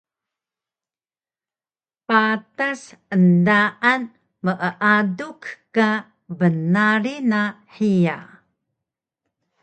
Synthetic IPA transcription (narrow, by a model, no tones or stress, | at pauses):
patasəndaʔan | məʔəʔadukka | bənaɾinaħija̰